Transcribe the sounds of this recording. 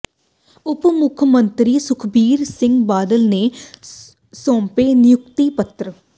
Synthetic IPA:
ʊpmʊkʰmənt̪ɾiːsʊkʰbiːɾsɪ̃ŋɡbaːd̪əlneː | sɔ̃ːmpeːnɪjʊkt̪iːpət̪ɾə

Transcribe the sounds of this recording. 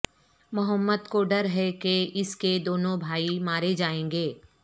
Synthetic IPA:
mʊɦəmːəd̪koɖɐɾɦɛkeɪsked̪oːnõbʱaːimaːɾed͡ʒaːẽːŋɡeː

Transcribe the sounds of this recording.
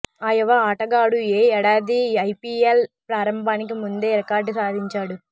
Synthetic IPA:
ɐjɐʋaaʈɐɡaːɽueːɛɽaːd̪iɐjpiːelpɾaːɾɐmbʱaːnik̬imund̪e̞ːɾɐkaːɾɖsaːd̪ʱiɲt͡ʃaːɽu

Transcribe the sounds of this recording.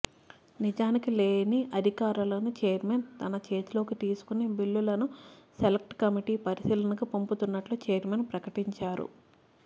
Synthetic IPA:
nid͡ʒaːnikileːniʔɐd̪ʱikaːɾulɐnut͡ʃeːɐɾment̪ɐnɐt͡ʃe̞ːt̪ulo̞ːkit̪iːsu̥kunebilːulɐnuselek̚ʈkɐmiʈiːpɐɾisiːlɐnɐkɐpomput̪unːɐʈluːt͡ʃeːɾmenpɾɐkɐʈiɲt͡ʃaːɾṵ

